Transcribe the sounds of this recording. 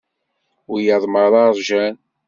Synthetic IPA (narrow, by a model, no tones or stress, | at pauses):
ʊɾjəðˤməɾðˤɑɾˤʒæn